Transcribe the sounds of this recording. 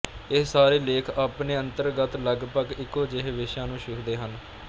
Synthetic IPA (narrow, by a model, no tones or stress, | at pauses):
ɪssaːɾeːleːkʰaːpneːənt̪əɾɡət̪ləɡpəɡɪkːoːd͡ʒɪɦʋɪʃãːnũːʃʊkʰd̪eːɦən